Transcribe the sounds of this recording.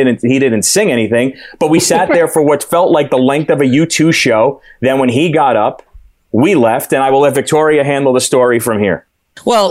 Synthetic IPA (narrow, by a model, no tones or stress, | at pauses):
ɪdⁿn̩thidɪdⁿn̩tsɪ̃ŋɛɾ̃iθɪ̃ŋb̥ʌt̚wisæt̪̚ðə˞fə˞wʌtfɛlˠʔlaɪk̚ðəlɛ̃ŋk̚θʌvɨjʉtʰʉʃoʊðɨ̃n̚wə̃niɡɑɾʌp | wilɛftɨ̃ñaɪwəlˠɛtvɨk̚tʰɔɹiɨɦæ̃ndˡl̩ˠðəstɔɹifɹʌ̃mhḭɹ | wɛlˠ